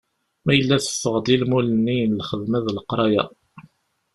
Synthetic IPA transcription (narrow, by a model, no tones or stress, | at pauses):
mæjəlːæθə̥fːəʁd̪ˤilmulənːijnlχəðmæðləqɾˤɑja̰